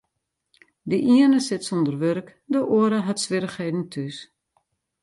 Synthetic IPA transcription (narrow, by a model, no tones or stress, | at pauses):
dəʔiərnəsɪtsondərʋøɾkdəʔoəɾəɦatsʋɪɾəxheːdn̩tʰys